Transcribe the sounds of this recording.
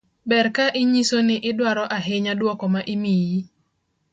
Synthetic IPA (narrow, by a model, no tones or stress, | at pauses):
bɛɾkaʔɪɲisonɪʔɪdwaɾɔʔaɦɪɲadwɔkɔmaʔɪmiji